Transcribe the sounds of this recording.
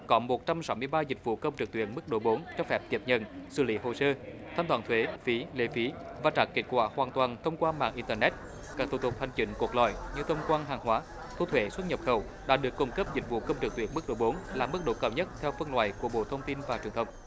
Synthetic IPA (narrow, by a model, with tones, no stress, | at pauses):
kɔ˨˦mo˨˩t̚t͡ɕa˧msa˨˦wmɨ˧əjɓaː˧zï˨˩k̚vṵ˧˨kə˧wŋ͡mt͡ɕɨ˨˩k̚t̪wi˧˨ənmɨ˦˥k̚ɗo̰˧˨˦ɓo˨˦nt͡ɕɔ˧fɛ˦˥p̚t͡ɕe˨˩p̚ɲə̰˧˨nsɨ̰˧˩lḭ˧˥ɦo˨˩səː˧ | t̪ʰaː˧mt̪waː˨˩nt̪ʰwe˨˦fi˨˦le˧˩fi˨˦ | vaː˨˩t͡ɕaː˨˩ke˦˥t̚kwaː˧˩hwaː˨˩nt̪waː˨˩nt̪ʰə˧wŋ͡mkwaː˧ma̰ː˧˨ŋʔi˧nt̪əː˧nɛ˦˥t̚ | kaː˦˥k̚t̪ʰu˧˩t̪ʰk͡p̚ha˨˩ŋ̟kï˧˩˦ŋ̟ku˨˩ək̚lɔ̰˧˨jɲɨ˧t̪ʰə˧wŋ͡mkwaː˧nɦaː˨˩ŋɦwaː˨˦ | t̪ʰu˧˩t̪ʰwe˨˦swə˦˥t̚ɲə˨˩p̚xə˨˧˩w | ɗa̰ː˧˥ɗɨ˨˩əkːʊ˧wŋ͡mkə˦˥p̚zi˨˩k̟̚vṵ˧˨kə˧wŋ͡mt͡ɕɨ˨˩k̚t̪wi˧˨ənmɨ˦˥k̚ɗo̰˧˩˦ɓo˨˦nlaː˨˩mɨ˦˥k̚ɗo̰˧˥˦kaː˧˩wɲə˦˥t̚t̪ʰɛ˧wfə˧ŋlwa̰ː˧˨jku˧˩əɓo̰˧˨t̪ʰə˧wŋ͡mt̪i˧nvaː˨˩t͡ɕwi˨˩əŋt̪ə˧wŋ͡m